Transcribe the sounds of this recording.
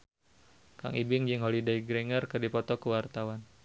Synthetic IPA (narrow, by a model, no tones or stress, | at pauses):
ka̰ŋʔibɪŋd͡ʒɨŋɦolidaiɡɾiŋərkɨrdipɔt̪ɔkəwart̪awan